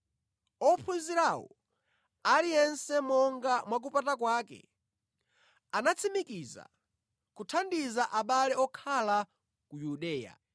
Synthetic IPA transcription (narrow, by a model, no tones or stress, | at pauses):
ɔpʰunziɾawɔ̰ | alijɛnsɛmɔŋɡamwak̬upatakwaːkɛ̰ | anat͡sʰimikiza̰ | kutʰandizaʔaɓalɛɔkʰala | kujuɗɛːja̰